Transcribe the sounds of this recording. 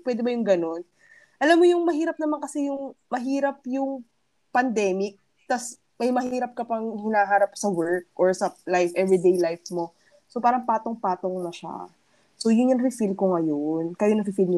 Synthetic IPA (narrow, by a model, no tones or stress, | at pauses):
pwɛd̪ɛbɐjʊŋɡɐno̞n | ʔɐlamːojʊŋmɐɦiːɾɐp̚nɐmankɐsɛjʊŋmɐɦiːɾɐpjʊŋ | pɐnd̪ɛːmɪk̚ | t̪ɐs | mɐjmɐhiːɾɐp̚kɐpɐŋhɪnaːɦaːɾɐp̚sɐwɛɹk̚ʔoɹsɐlajfʔɛvɹid̪ejlajfmo̞ | sopaːɾɐŋpaːt̪oŋpaːt̪o̞ŋnɐʃa̰ | so̞jʊnjɐŋɾɪfilkoŋɐjonkɐjonɐfɪfilɲʊ